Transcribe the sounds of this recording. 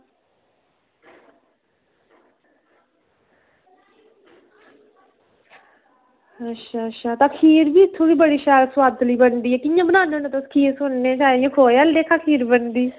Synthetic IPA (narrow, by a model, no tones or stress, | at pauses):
ətːʃʰaːəʃʰaːt̪ãːkʰiːɾbiːɪt̪ʰːõːbiːbəɽiːʃaːɾswaːd̪liːbənd̪iːɛːkɪjãːbənaːnõnət̪oskʰiːsʊnnẽt͡ʃaːjãːkʰoːaːld̪eːkʰaːkʰiːɾbənd̪iː